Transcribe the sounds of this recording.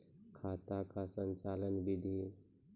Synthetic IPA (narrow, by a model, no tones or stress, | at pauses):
kʰaːt̪akasə̃ɲt͡ʃaːlənbɪd̪ʱi